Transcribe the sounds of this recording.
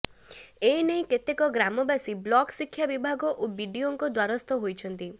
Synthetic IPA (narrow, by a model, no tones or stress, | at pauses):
enejket̪ekɔɡɾamɔbasiblɔksikʰːjabibʱaɡɔʔobiɖioŋkɔd̪waɾɔst̪ɔɦojt͡ʃʰɔnt̪i